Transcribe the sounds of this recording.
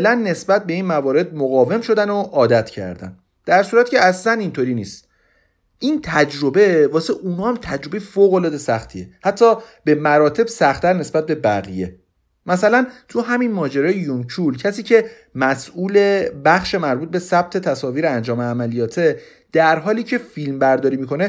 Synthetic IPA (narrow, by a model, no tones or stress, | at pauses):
elænːe̞sbæt̪̚be̞iːnmævɒːɾe̞d̪̚moɣɒːve̞mʃo̞d̪ænoʔɒːd̪æt̪ʰcʰæ̰ɾd̪æ̰n | d̪̥æɾsuːɾæt̪ːcʰeæslænint̪ʰoɾiːniːst̪ | ʔiːnt̪ʰæd͡ʒɾo̞be̞vɒːseʔunɒːæmt̪ʰæd͡ʒɾo̞bejfoːɣo̞lɒːd̪e̞sæxt̪ʰie̞hæt̪ʰːɒːbe̞mæɾɒːt̪ʰe̞b̥sæxt̪ʰæɾne̞sbæt̪̚be̞bæɣije̞ | mæsælænt̪ʰuɦæminmɒːd͡ʒeɾɒːjejuncʰulcʰæsiːcʰe̞ | mæsʔuːle̞bæxʃe̞mæɾbuːt̪̚be̞sæb̥̚t̪ʰe̞t̪ʰæsɒːviːɾeænd͡ʒɒːmeæmælijɒːt̪ʰe | d̪̥æɾɦɒːliːcʰe̞filmbæɾd̪ɒːɾiːmiko̞ne